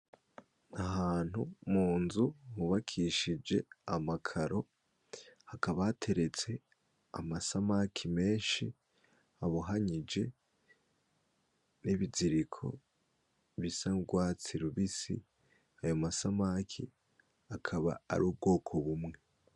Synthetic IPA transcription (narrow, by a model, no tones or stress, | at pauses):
aɦaːn̥humuːnzuhuβakʰiʃid͡ʒe̞amakʰaɾo̞ | hakaβaatʰe̞ɾe̞t͡se̞ | a̰masamakʰime̞ːʃi | aβuɦaɲid͡ʒe̞ | niβiziɾikʰo̞̰ | βisaɡwat͡siɾuβisḭ | ajomasamakʰḭ | akʰaβa̰ːɾuːb̚ɡo̞ːkʰo̞βumŋe̞